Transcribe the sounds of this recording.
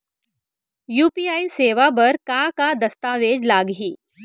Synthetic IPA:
juːpiːaiseʋabəɾkakad̪əst̪aʋed͡ʑlaɡɦiː

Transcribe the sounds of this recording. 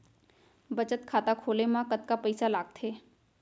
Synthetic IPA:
bət͡ʃət̪kʰaːt̪akʰoːlemãkət̪kapəɪsalaːɡ̚t̪ʰeː

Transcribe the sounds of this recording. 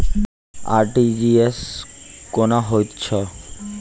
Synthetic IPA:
a̰ɾʈid͡ʑieskonaɦojtːɕʰɔ

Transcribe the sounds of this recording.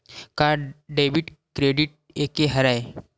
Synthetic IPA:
kaɖeʋiːʈkɾeɖiːʈ̚ | ekeɦəɾaj

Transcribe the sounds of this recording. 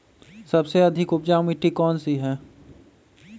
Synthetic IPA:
sɐbseɐd̪ʱɪkʊpd͡ʒaːmiʈːikɔːnsiɦɛ̃ː

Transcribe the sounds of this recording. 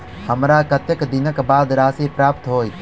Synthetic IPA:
həmɾaːkət̪əkd̪ɪnəkbaːd̪ɾaːsipɾaːpt̪ɦoːiː

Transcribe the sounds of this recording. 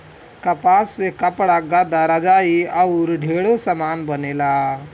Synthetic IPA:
kəpasːekəpɽaɡad̪aɾad͡ʒaiawɾɖʱeɭosəmanbənela

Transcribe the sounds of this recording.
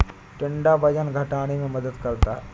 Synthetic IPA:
ʈɪɳɖabɐd͡ʒənɡʱɐʈaːɽ̃emẽmɐd̪əd̪kɐɾt̪aɦɛː

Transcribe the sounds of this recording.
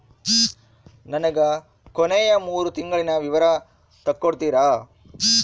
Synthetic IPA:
nɐnɐɡɐ | koneːjɐmuːɾut̪iŋɡɐɭinɐʋiʋɐɾɐ | t̪ɐkːoɽt̪iːɾaː

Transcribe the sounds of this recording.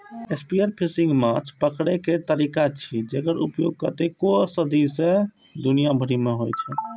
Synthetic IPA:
espiəɾpʰisĩŋɡmat͡ʃʰpəkɽɛket̪əɾikat͡ʃʰid͡ʒekəɾupjoɡ̚kət̪ekosəd̪isẽ | d̪unijabʱəɾimeɦojt͡ʃʰɛ

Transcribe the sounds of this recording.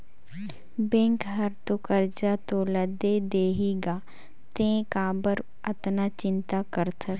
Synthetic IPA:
bẽːŋkɦɐɾt̪okəɾd͡ʒat̪oləd̪ed̪eːɦiɡaː | t̪ẽkaːbəɾ | ɐt̪nat͡ʃɪ̃nt̪akəɾt̪ʰa

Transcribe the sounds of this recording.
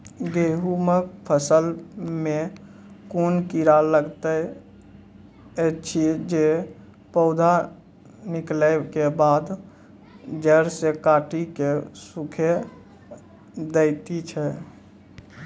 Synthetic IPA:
ɡeɦuməkpʰəsəlme | konkiɾaləɡt̪ə | t͡ʃʰid͡ʒe | pɔd̪ʱa | nikləkebad̪ | d͡ʒəɾsekaʈikesukʰe | d̪ət̪it͡ʃʰɛ

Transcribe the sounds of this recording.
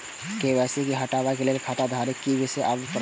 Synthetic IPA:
keʋɛːsekiɦəʈaːʋakeleːlkʰat̪ad̪ʱaːɾekiɡeseʔabpɾ

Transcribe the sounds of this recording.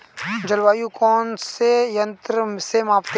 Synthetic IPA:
d͡ʒəlʋaːjukɔːnsejɐ̃nt̪ɾəmsemaːpt̪

